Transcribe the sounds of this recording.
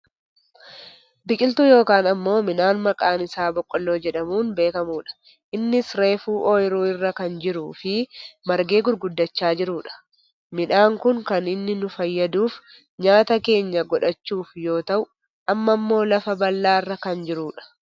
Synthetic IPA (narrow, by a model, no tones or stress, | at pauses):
bɪkʼɪlt̪ujo̞ːkaːnɐmːo̞ːmɪnaːnmɐkʼaːnɪsaːbɔkʼːɔlːo̞ːd͡ʒɛᶑɐmuːnbe̞ːkɐmuːᶑɐ̥ | ʔɪnːɪsɾe̞ːfuːʔɔːjɪɾuːɪrːɐkɐnd͡ʒɪɾuːfɪmɐɾɡe̞ːɡʊɾɡʊd̪ːɐt͡ʃːaːd͡ʒɪɾuːᶑɐ̥ | mɪnaːŋkʊŋkɐnɪnːɪnʊfɐjːɐd̪uːf | ɲaːt̪ɐke̞ːɲːɐɡɔᶑɐt͡ʃːuːfjo̞ːt̪ɐʔʊ | ʔɐmːɐmːo̞ːlɐfɐbɐlːaːɪrːɐkɐnd͡ʒɪɾuːᶑɐ̥